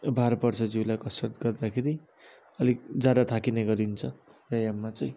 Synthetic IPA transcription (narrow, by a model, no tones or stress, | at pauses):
bʱaɾpʌrt͡sʰʌd͡zulajkʌsʌrt̪ɡʌrd̪akʰeɾi | ʌlikd͡zad̪at̪ʰakinʌjɡʌɾint͡sʰʌjajamːat͡sʌj̃